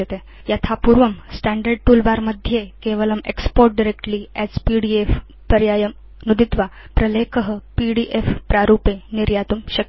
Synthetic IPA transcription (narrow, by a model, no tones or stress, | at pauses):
et̪e | jat̪ʰapuɾʋəmsʈæɳɖəɾɖ̚ʈulbaɾməd̪ʱjekeʋələmekspoɾʈ̚ɖiɾekʈliæd͡zpiɽief | pəɾjajəm | nud̪it̪ʋa | pɾəlekʰəɦəpiɽiʔefpɾaɾupeniɾjat̪umɕə